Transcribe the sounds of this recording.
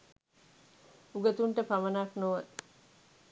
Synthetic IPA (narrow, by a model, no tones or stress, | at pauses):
uɡət̪uɳʈəpamənaknoʋə